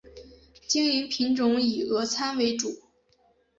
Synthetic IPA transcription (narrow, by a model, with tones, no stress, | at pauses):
t͡ɕi˥ŋy˧˥npʰi˧˥ŋʈ͡ʂʊ˧˥ŋi˨˩ɤ˧˥t͡sʰa˥nwe˧˥ɪʈ͡ʂu˨˩˦